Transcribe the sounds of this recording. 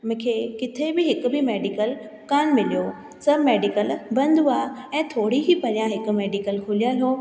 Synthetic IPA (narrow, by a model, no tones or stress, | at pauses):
mʊ̃ɪ̃kʰeːkɪt̪ʰebɪɦɪkʊbɪmeːɖikəl | kaːnmɪlijoː | sɐbmeːɖikəlbɐ̃nd̪ʱuaɛ̃ːt̪ʰoːɽ̤iɦipɐɾjãɦɪkʊ̆meːɖikəlkʰʊlijaːɦjoː